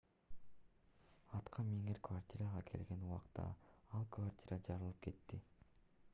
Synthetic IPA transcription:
ɑt̪qʰɑmeŋeɾkvartʲiɾaʁɑkʰe̞̰lɡe̞nuwɑqt̪ɑ̰ɑlˠkvartʲiɾad͡ʒɑɾɯlˠɯp̚kʰe̞t̪ːi

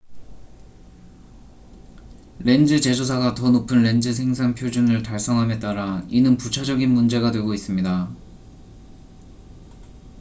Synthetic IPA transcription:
ɾe̞nd͡ʑɯt͡ɕe̞d͡ʑos̬ʰaɡatʌnopʰɯnɾe̞nd͡ʑɯs̬ʰe̞ŋsʰaŋpʰjod͡ʑunɯɭtaɭs͈ʌŋɦame̞t͈aɾainɯnput͡ɕʰad͡ʑʌɡinmund͡ʑe̞ɡadwe̞ɡois͈ɯmɲida

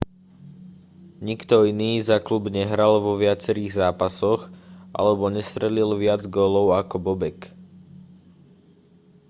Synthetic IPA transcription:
ɲikt̪ɔiniːzaklubɲɛɦɾalʋɔʋɪat͡sɛɾiːɣzaːpasɔɣʔa̰lɛbɔɲɛst̪ɾɛlilʋɪad͡zɡɔːlɔʊakɔbɔbɛk

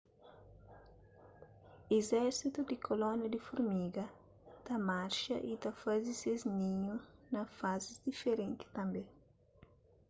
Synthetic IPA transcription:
ezɛɾsit̪ud̪ikʰolɔ̃njɐd̪ifuɾmiɡɐ | t̪ɐmaɾʃɐ̰ʔit̪ɐfaziseznĩɲunɐfazizd̪ifeɾẽnt̪i̥t̪ɐ̃mbe

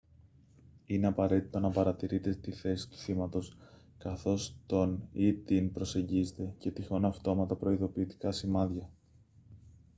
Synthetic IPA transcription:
ineɐpɐɾe̞t̪it̪o̞nɐpɐɾɐt̪iɾit̪e̞t̪iθe̞si̥t̪u̥θimɐt̪o̞s | kɐθo̞st̪o̞nit̪inpɾo̞se̞ɲɟizet̪e̞ce̞t̪ixonɐɐft̪o̞mɐt̪ɐpɾo̞iðo̞piːt̪i̥kɐsimɐðʝɐ

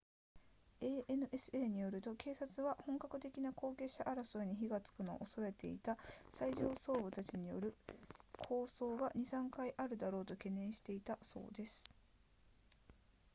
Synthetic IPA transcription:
e̞ːʔenɯ̟ʔe̞sɨ̥e̞ːɲ̟ijo̞ɾɯ̟t̪o̞ke̞ːsat͡sɨβahõ̞ŋkakɯ̟t̪e̞kʲinako̞ːke̞ɕaʔaɾasoɯɲ̟içiɡat͡sɨ̥kɯ̟no̞̰ʔosoɾe̞t̪e̞̰it̪asaiʑo̞ːso̞ːbɯ̟t̪at͡ɕiɲ̟ijo̞̰ɾɯ̟kʰo̞ːso̞ːɡaɲ̟isãŋkaiʔaɾɯ̟d̪aɾo̞ːt̪o̞ke̞nẽ̞ɰ̃ɕi̥t̪e̞it̪aso̞̰ːd̪e̞sɨ̥

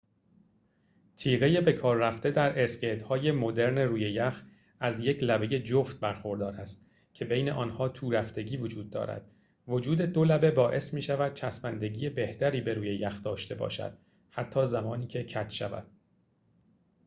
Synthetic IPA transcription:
t̪ʰiːɣe̞jebe̞kʰɒːɾːæft̪e̞d̪æɾʔesceɾt̪hɒːje̞mo̞d̪e̞ɾneruːjejæx | æzje̞cʰlæbe̞je̞d͡ʒoft̪̚bæɾxo̞ɾd̪ɒːɾæst̪ | cʰe̞be̞jne̞ʔɒːnhɒːt̪ʰuːɾæft̪e̞ɟiːvo̞d͡ʒuːd̪̚ːɒ̰ːɾæ̰d̪̥ | vo̞d͡ʒuːd̪e̞d̪olæbe̞bɒːʔe̞smiːʃævæd̪̥̚t͡ʃʰæsbænd̪e̞ɟiːje̞be̞ht̪ʰæɾiːbe̞ɾuːje̞jæxd̪ɒːʃt̪e̞bɒ̰ːʃæ̰d̪̥̚ | hæt̪ʰːɒːzæmɒːniːkʰe̞cʰæt̪ʰʃævæ̰d̪̥

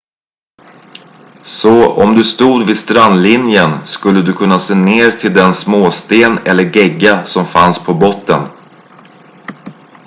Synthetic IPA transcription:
sɔɔ̰md̪ɵst̪uːd̪vɪst̪ɾanlɪnjənskɵlːəd̪ɵkʰɵnːaseːneːɾt̪ʰɪld̪ɛnsmoːst̪eːnɛlːəɾɡɛɡːasɔmfa̰nspʰɔbɔt̪ːə̰n

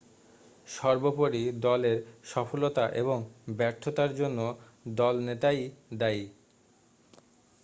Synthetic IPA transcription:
ʃɔɾbopoɾid̪ɔleɾʃɔfolot̪aʔeβoŋbɛɾt̪ʰːot̪aɾd͡ʑonːo | d̪ɔlnet̪ajd̪aj

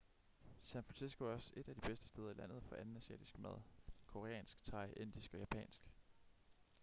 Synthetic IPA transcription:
sænfʁɑnsisɡ̥o̝ɒse̝d̥æd̥ib̥esd̥əsd̥eːð̞ˠɐilæn̰ð̞̩ˠfɒ̽ʔænn̩æsiɛ̰ːd̥isɡ̥mæð̞ˠkʰo̝ʁeɛ̰ːnsɡ̥t͡sʰɑ̈ɪʔe̝n̰d̥isɡ̥ɒ̽jæpʰɛ̰ːnsɡ̥

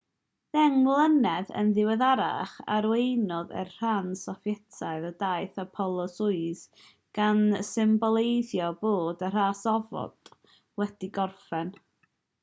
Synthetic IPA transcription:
ðɛŋlˠənɛðə̰nðɪwɛðaɾa̰χa̰ɾwejnɔðɛ̰rr̥ansɔfjɛtʰaɨðədaɨjθapʰɔlˠɔsʊɨs | ɡ̥ansɪmbɔlˠejðjɔboːdər̥aːsɔvɔ̰d̥ | wɛd̥iɡɔrfɛn

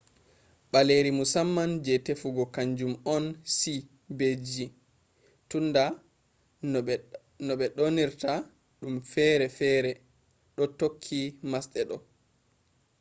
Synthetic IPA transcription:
ɓaleɾimusamːand͡ʒɛtefuɡɔkaɲd͡ʒumɔnsi | bed͡ʒi | tunda | nɔɓɛɗoniɾta | ɗumfɛɾɛfɛːɾɛ | ɗɔtokʰːimasɗɛɗɔ

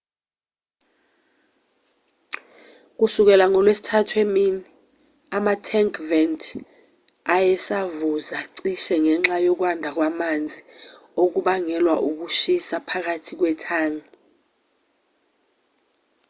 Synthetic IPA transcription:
k̬usuk̬ɛlaŋɔlwesi̥tʰatʰwemini | amatʰɛŋkʰʼvɛntʰʼ | ajɛsavuzaǀiʃɛŋɛŋ͡ǁajok̬wandʱak̬wamand͡zʱi | ok̬uɓaŋɛlwaʔuk̬uʃisapʰak̬atʰik̬wɛtʰaːŋi

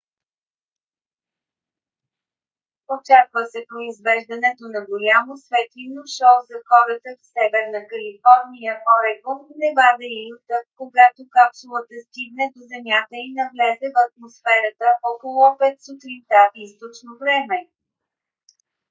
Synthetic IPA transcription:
ot͡ʃakvəsɛpɾoizvɛʒd̪ɐnɛt̪onɐɡolʲamosvɛt̪linoʃɔwzɐxɔɾət̪əfsɛvɛɾnəkɐlifɔɾnijəʔɔɾɛɡonɛvad̪ɛiut̪əkkːoɡat̪okapsulˠət̪əst̪iɡ̚nɛd̪ozɛmʲjat̪əinɐvlɛzɛvɐt̪̚mosfɛɾət̪əʔɔkolˠʊpɛt̪sut̪ɾint̪at̪ist̪ot͡ʃnovɾɛmɛ

